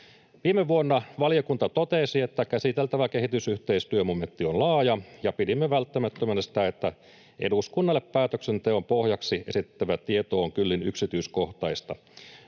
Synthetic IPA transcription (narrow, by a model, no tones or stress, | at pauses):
ʋiːmeʋuonːɑʋɑlijokunt̪ɑt̪ot̪esie̞t̪ːækæsit̪elt̪æʋækeɦit̪ysyht̪eist̪yømoment̪ːionlɑːjɑjɑpidimːeʋælt̪ːæmæt̪ːømænːsi̥t̪æet̪ːæ | ʔḛduskunːɑlːeppæːt̪øksent̪eompohjɑksiʔe̞sit̪ːæʋæt̪iet̪oːŋkylːinyksit̪yːsko̞ht̪ɑist̪ɑ